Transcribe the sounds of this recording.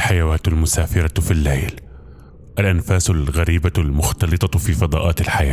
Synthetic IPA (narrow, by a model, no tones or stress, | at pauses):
ħajawaːt̪ʊlmʊsaːfɪɾˤɑfilːa̰jl | ʔalʔanfaːsʊlɣaɾiːbalmʊxt̪ɑlɨt̪ˤɑfifɑd̪ˤɑ̰ːʔɑːt̪ɪlħajaː